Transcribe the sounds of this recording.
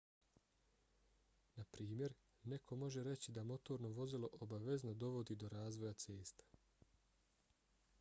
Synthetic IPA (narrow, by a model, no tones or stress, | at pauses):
napɾiːmje̞ɾ | ne̞kʰo̞mo̞ʒe̞ɾe̞t͡ɕid̪amo̞t̪o̞ːɾno̞ʋo̞zilo̞ʔobaʋe̞znod̪o̞ʋo̞d̪iːd̪o̞ɾaːzʋo̞jat̪se̞ːst̪ḁ